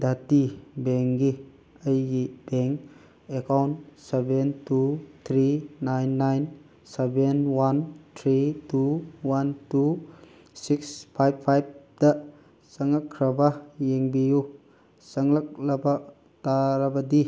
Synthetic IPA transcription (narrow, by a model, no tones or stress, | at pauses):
d̪at̪ibɛŋɡi | əjɡibɛŋ | ekawnsebentʰut̪ʰɾinajnːajn | sebenwant̪ʰɾituwantu | sikspʰajb̚pʰajb̚d̪a | saŋlakʰɾɐbajeŋbiju | saŋlak̚laba | taɾabad̪i